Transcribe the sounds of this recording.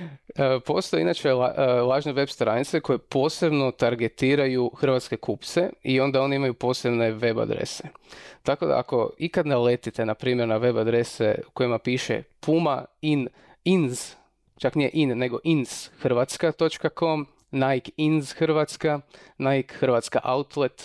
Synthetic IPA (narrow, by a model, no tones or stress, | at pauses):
əpo̞st̪o̞jeinat͡ʃe̞alˠaːʒneʋe̞bst̪ɾanit̪seko̞jepo̞ːse̞bno̞t̪aɾɡe̞t̪iːɾajuxr̩ʋat̪ske̞kʰupt̪se̞io̞nd̪ao̞niimajupo̞ːsebne̞ʋe̞ba̰d̪ɾḛset̪ako̞d̪a̰a̰ko̞ikad̪nele̞t̪it̪e̞napɾiːmʲje̞ɾnaʋe̞bad̪ɾe̞sḛukojimapiːʃḛpʰumain | inz̥ | t͡ʃaknije̞̰ʔinːe̞ɡo̞ʔinz̥xr̩ʋat̪skat̪o̞t͡ʃkako̞m | naikinzxr̩ʋat̪skanajkxr̩ʋat̪ska̰ʔaut̪let̪